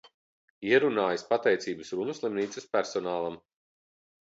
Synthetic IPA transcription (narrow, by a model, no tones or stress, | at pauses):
iɛɾunaːjaspat̪ɛjt̪siːbɨsɾunuslˠimniːtsɨspʲæɾsɔnaːlˠam